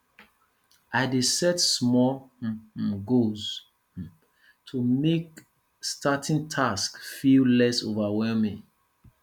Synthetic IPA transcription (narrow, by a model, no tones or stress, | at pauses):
ʔaɪdesɛtsmɔ | ɡoz̩ | tʰumek | stʰatʰĩŋtʰaskfillɛso̰vawɛlmĩŋ